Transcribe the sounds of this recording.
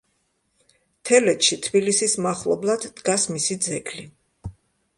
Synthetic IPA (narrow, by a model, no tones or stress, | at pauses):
t̪ʰɛlɛt̪ʃit̪ʰbilisismaχlˠɔ̰blˠad̪̥ːɡasmisid̪zɛɡʰli